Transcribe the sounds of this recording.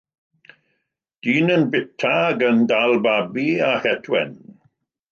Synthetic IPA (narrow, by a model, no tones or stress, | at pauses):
d̥iːnənbɪtʰaɡəndalˠbabiahɛtʰwɛ̰n